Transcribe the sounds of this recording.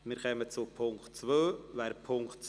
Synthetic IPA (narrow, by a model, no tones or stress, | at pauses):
mɪːɾkʰɛmət͡supʰʊŋktt͡sʋøːʋɛːɾpʰʊŋktt͡s